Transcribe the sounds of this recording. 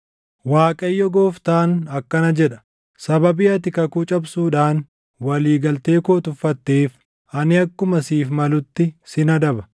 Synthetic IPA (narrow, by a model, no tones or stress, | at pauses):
waːkʼɐjːɔɡoːft̪aːnɐkːɐnɐd͡ʒɛᶑɐ̥ | sɐbɐbɪɐt̪̬ɪkɐkuːt͡ʃʼɐbsuːᶑaːn | wɐliːɡɐlt̪e̞ːkoːt̪ʊfːɐt̪ːeːf | ɐnɪɐkːʊmɐsiːfmɐlʊt̪ːɪsɪnɐd̪ɐbɐ̥